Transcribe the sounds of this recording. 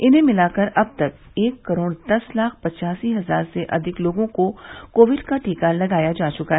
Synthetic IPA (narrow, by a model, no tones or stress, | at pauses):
ɪnɦẽmɪlaːkɐɾɐb̚t̪ɐk̚ | eːkːɐɾoːɽd̪ɐslaːk̚ʰpɐt͡ʃaːsiɦɐzaːɾseʔɐd̪ʱɪkloːɡõkokoːʋɪɖkaʈʰiːkalɐɡaːjad͡ʒaːt͡ʃʊkaɦɛ